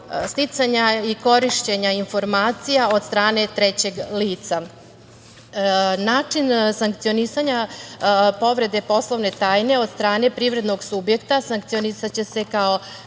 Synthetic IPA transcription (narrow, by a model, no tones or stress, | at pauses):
st̪it̪saɲaiko̞ɾiʃt͡ɕe̞ɲainfo̞ɾmaːt̪sijao̞d̪st̪ɾaːne̞t̪ɾet͡ɕe̞ɡliːt̪sa | naːt͡ʂinsaŋkt̪sijonisaɲa | po̞ʋɾe̞d̪e̞po̞slˠo̞ʋne̞t̪aːjne̞o̞d̪st̪ɾaːne̞pɾiʋɾe̞d̪no̞ɡsubje̞kt̪asaŋkt̪ionisat͡ɕe̞se̞kao̞